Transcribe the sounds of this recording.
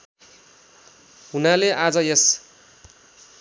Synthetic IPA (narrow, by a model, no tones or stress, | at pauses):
ɦunaleʔad͡zʌjʌs